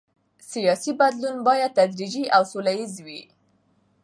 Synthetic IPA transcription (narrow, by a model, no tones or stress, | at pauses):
sijɑsibad̪lunbɑjad̪̚t̪ad̪ɾid͡ʒiʔawsolajizwi